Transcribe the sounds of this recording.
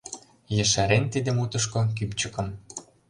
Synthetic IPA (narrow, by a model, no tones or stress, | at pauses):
jə̆ʃæɾent̪id̪ə̆mut̪ə̆ʃ̬kokypt͡ɕə̆kɤ̆m